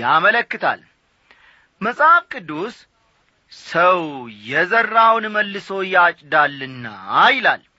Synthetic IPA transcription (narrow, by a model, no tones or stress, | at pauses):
amələkːɨt̪ʰa̰l | məsʼhafkʼɨd̪ːus | səwjɛzərːawnməlːɨsojat͡ʃʼd̪alːɨnːa̰ːjla̰l